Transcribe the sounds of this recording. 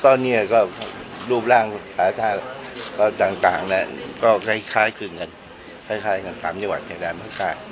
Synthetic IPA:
t̪ɔː˧nːiː˦˥˩kɔː˥˩ɾuː˥˩p̚laː˥˩ŋsaː˨˩˦t̪ʰaː˧˩kɔː˧˩t̪aː˨˩ŋt̪a̰ː˨˩ŋna˦˥˩kɔː˥˩kʰa˥˩jkʰaː˦˥jkʰɯ˨˩ŋka˧n | kʰaː˥˩jkʰaː˦˥˩jka˧nsaː˩˦mt͡ɕa˧ŋwa˨˩t̪̚t͡ɕʰa˨˩jdaː˧nmaː˥˩k̚taː˥˩j

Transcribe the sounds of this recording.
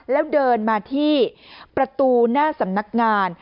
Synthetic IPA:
lɛː˦˥wdɤː˧nmaː˧t̪ʰiː˥˩pɾa˧t̪uː˧naː˥˩sa˩˦mna˦˥k̚ŋaː˧n

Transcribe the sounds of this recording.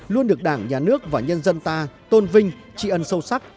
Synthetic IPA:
lu˧ənɗɨ˨˩ək̚ɗaː˧˩ŋɲaː˨˩nɨ˦˥ək̚vaː˨˩ɲə˧nzə˧nt̪aː˧t̪o˧nvï˧ŋ̟ | t͡ɕḭ˧˨ʔə˧nsə˧wsa˦˥k̚

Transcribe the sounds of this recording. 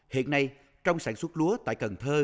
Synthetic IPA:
hḭ˧˨ənːa˧j | t͡ɕɔ˧wŋ͡msaː˧˩nswə˦˥t̚lu˨˦ət̪a̰ː˧˨jkə˨˩nt̪ʰəː˧

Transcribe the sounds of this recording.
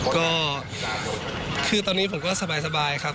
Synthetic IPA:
kɔː˥˩ | kʰɯː˧t̪ɔː˧niː˦˥pʰo˩˦mkɔː˥˩sa˧baː˧jsa˧baː˧jkʰa˦˥˩p

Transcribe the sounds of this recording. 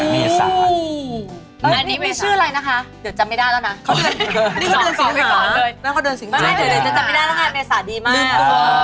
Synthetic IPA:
mi˧a̰˦˧ | a˧nːiː˦˥ma˥˩t͡ɕɯ˥˩ɐɾa˧jna˦˥kʰa˦˥dɯ˨˩˦t͡ɕa˨˧ma˥˩jdaː˥˩j̪ʰa˥˩na˦˥kʰniː˥˩ɔ˨˦dɤː˧nsa˧˦kɔː˨˩lɤː˧jnaː˥˩kɔː˥˩dɤː˧nsi˨˦m˥˧a˥˩jdɯː˧˩˦t͡ɕa˧˦ma˥˩da˥˩jt̪a˥˩kaː˧˩nmiː˧a˧˩saː˨˩˦diː˧maː˧i˧˩o˧˩

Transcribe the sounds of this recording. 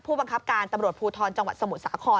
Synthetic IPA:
pʰuː˥˩ba˧ŋkʰa˦˥p̚kaː˧nt̪a˧mɾu˨˩ət̪̚pʰuː˧t̪ʰɔː˧nt͡ɕa˧ŋwa˨˩t̪̚sa˧mu˨˩t̪̚saː˩˦kʰɔː˧

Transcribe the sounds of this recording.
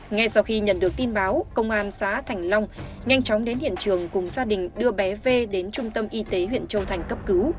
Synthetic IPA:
ŋa˧jsa˧wxi˧ɲə̰˧˩nɗɨ˨˩ək̚t̪i˧nɓaː˨˦wkə˧wŋ͡mʔaː˧nsa̰ː˧˥t̪ʰa˨˩jŋ̟la˧wŋ͡m | ŋa˧jŋ̟t͡ɕɔ˨˦wŋ͡mɗe˨˦nhḭ˧˨ənt͡ɕɨ˨˩əŋkʊ˨˩ŋ͡mzaː˧ɗï˨˩ŋ̟ɗɨ˧əɓɛ˨˦ve˧ɗe˨˦nt͡ɕʊ˧ŋ͡mt̪ə˧mʔi˧t̪e˨˦ɦwḭ˧˨ənt͡ɕə˧wt̪ʰa˨˩jŋ̟kə˦˥p̚kɨ˨˦w

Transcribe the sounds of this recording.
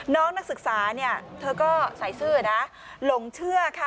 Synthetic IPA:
nɔː˦˥ŋna˦˥k̚sɯ˨˩k̚saː˩˦ni˥˩ɐt̪ʰɤː˧kɔː˥˩sa˨˩˦jsɯː˥˩na˦˥ | lo˨˩˦ŋt͡ɕʰɯ˥˩ɐkʰa˥˩

